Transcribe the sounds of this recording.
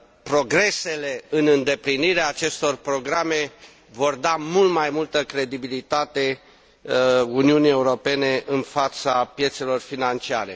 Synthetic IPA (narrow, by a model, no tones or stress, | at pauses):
pɾo̞ɡɾe̞se̞le̞ɨnɨnd̪e̞pliniɾeaːt͡ʃe̞st̪o̞rpɾo̞ɡɾame̞ | vo̞rd̪amult̪majmult̪əkɾe̞d̪ibilit̪at̪e̞ | uniunije̞uɾo̞pe̞ne̞ʔɨnfat̪sapje̞t̪se̞lo̞rfinant͡ʃiaɾe̞̰